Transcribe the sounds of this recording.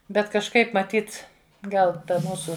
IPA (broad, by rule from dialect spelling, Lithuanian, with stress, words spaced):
ˈbʲɛt kɐʃˈkɐɪp mɐˈtʲiːt ˈɡɐlˠ ˈtɐ ˈmuːsʊ